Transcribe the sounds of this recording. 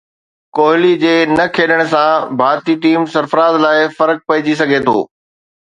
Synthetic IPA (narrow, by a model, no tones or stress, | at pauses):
koːɦɪlid͡ʑeːnɐkʰeːɗəɽ̃ʊ̆sãbʱaːɾt̪iʈiːmsɐɾfɾaːzlaːɪfɐɾək̚pɐɦɪd͡ʑis̬ɐɡʱet̪ʰo̰ː